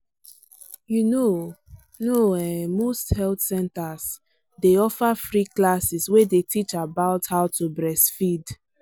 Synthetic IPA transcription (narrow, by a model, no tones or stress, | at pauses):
juno | noɛ̃mosthɛltsɛ̃ntas | deɔfafɹiklasiswedetit͡ʃabaʊthaʊtʰubɹɛsfid